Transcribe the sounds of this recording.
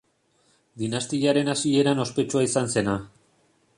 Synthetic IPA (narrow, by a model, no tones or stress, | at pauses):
d̪inast̪iaɾe̞nasie̞ɾano̞spe̞t͡ʃuaisanse̞na